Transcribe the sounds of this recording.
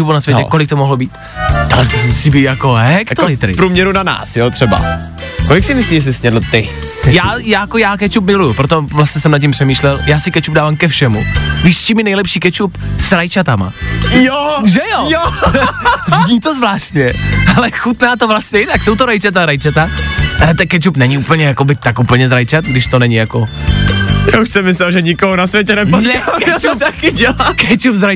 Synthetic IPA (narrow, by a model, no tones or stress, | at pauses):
ubunasvjɛcɛ̰kolɪkt̪omoɦlobiːt̪ | t̪oɦlɛt̪omusiːbiːt̪jakoɦɛkt̪olɪt̪ɾɪpɾuːmɲɛɾunana̰ːsjot̪r̥ɛba̰ | kolɪksɪmɪsliːjɛs̬ɪsɲɛdlot̪ɪ | jaːjaːjkojaːkɛt͡ʃup̬mɪlujupɾot̪ovlast̪ɲɛsɛmnat̪̬̚cːimpr̥ɛmiːʃlɛljaːsɪkɛt͡ʃub̚daːvaːmkɛfʃɛmuviːʃt͡ʃimɪnɛjlɛpʃiːkɛt͡ʃupsɾajt͡ʃat̪ama̰joʒɛjojo | zɲiːt̪ozvlaːʃt̪ɲɛalɛxut̪naːt̪ovlast̪ɲɛjɪnakso̞wt̪oɾajt͡ʃat̪aɾajt͡ʃat̪aʔalɛt̪ɛnkɛt͡ʃupnɛɲɪuːpəɲɛjakobɪt̪akʔupl̩ɲɛzɾajt͡ʃat̪ɡdɪʃt̪o̞nɛɲɪjako | jaːuʃsɛmːɪslɛlʒɛɲɪkoɦonasvjɛcɛnɛponɛkɛt͡ʃut̪akɪɟɛlakɛt͡ʃupzɾaj